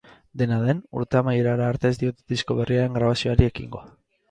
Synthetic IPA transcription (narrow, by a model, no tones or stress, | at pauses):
d̪e̞nað̞e̞nṵɾt̪e̞amaje̞ɾaɾaːɾt̪e̞zd̪io̞t̪eðisko̞βe̞rʔiaɾe̞ŋɡɾaβ̞asio̞aɾie̞kḭŋɡo̞